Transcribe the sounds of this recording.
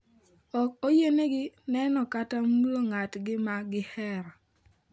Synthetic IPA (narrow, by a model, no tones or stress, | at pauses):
ɔk̚ojeneɡɪnɛnɔkatamuloŋatɡɪmaɡɪhɛɾa